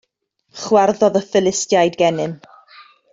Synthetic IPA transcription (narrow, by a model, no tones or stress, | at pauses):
χwɛrðɔðəfɪlɪstjajdɡɛnɨm